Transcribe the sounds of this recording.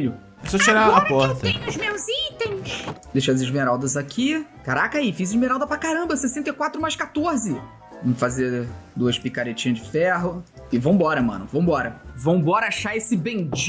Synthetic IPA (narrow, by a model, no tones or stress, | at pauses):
ʊ | ɛsɔt͡ʃiɾaɐpɔɾt̪ɐ̃jʊzmewzĩt̪ẽj̃sd̪ejʃɐzɪʒmeɾawd̪ɐzakʰikaɾakaifizɪʒmeɾawd̪ɐpɾakaɾɐ̃mbɐsesẽnt̪ekwat̪ɾʊmajʃkat̪oɾzɪ | vɐ̃mfazed̪uɐʃpikaɾet͡ʃĩɐzd͡ʒɪfɛɦʊɪvɐ̃w̃bɔɾɐmɐ̰̃nʊ̰vɐ̃w̃bɔɾɐvɐ̃w̃bɔɾɐaʃaesɪbẽd͡ʒ